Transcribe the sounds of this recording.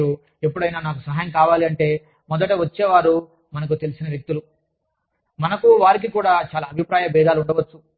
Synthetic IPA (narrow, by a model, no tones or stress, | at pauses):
u | e̞pːuɽɐjnaːnaːk̬usɐɦaːjɐ̃ŋkaːʋaːliɐɳʈe̞ː | mɔd̪ɐʈɐʋɐt͡ʃːɛːʋaːɾu | mɐnɐkut̪e̞lisinɐʋje̞k̚t̪ulu | mɐnɐkuʋaːɾik̬ikuːɽaːt͡ʃaːlaːbʱipɾaːjɐbɛːd̪aːluuɳɖɐʋɐt͡ʃːu